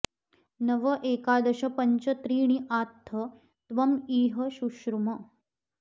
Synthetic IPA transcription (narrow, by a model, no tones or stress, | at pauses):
nəʋəʔekad̪əɕɐpəɲt͡ɕət̪ɾiːɽ̃iʔaːt̪ʰːə | t̪ʋɐmiːɦəɕuɕɾumɐ